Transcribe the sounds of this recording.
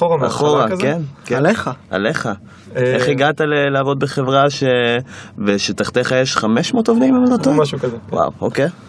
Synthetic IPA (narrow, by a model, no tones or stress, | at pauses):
oaa̰χoʁakenkeleχaa̰leχa | eχiɡat̪aleleavo̞d̪̚beχe̞vʁaʃeveʃet̪aχt̪eχajeʃχameʃmot̪ovd̪imemalot̪omʃukazewa̰wo̰kej